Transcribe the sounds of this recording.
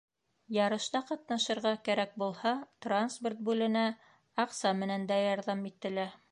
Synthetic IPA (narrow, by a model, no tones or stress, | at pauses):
jɑɾɤ̆ʃt̪ɑqɑt̪nɑʃɤ̆ɾʁɑkæɾæk̚bulˠhɑt̪ransport̪̚bʉlɘ̆næ | ɑqsɑmɘ̆nænd̪æjɑɾðɑmit̪ːɘ̆læ